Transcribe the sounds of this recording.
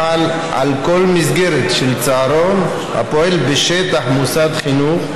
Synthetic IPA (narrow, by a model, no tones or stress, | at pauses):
al | ʕa̰lko̞lmisɡeɾet̪ʃelt͡saaɾon | ha̰poelbeʃet̪aħmusad̪χinuχ